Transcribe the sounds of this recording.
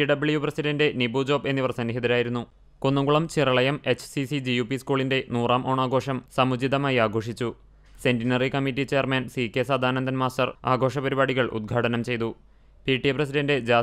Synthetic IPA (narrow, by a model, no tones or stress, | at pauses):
iɖɐbiɭijuprɐsiɖɐnde̞nibuːd͡ʑo̞ːbe̞nːiʋɐrsɐnːiɦid̪ɐɾaːjiɾunːu | konːuŋɡuɭɐmt͡ɕirɐɭɐjɐme̞t͡ɕːsisid͡ʑijuːpiskuːɭinde̞nuːraːmʔo̞ːɳaːɡo̞ːʂɐmsɐmud͡ʑid̪ɐmaːjiaːɡʱo̞ːʂit͡ɕːu | se̞ndinɐrikɐmitːit͡ɕe̞ːɐrmɐnsikːe̞saːd̪ʱaːnɐnd̪ʱɐnmaːstɐraːɡʱo̞ːʂɐpɐɾibaːɽiɣɐɭʔṵd̪̚ɡʱaːʈɐnɐmt͡ɕe̞jt̪u | piːʈːiɐprɐs̬iɖɐnde̞d͡ʑaː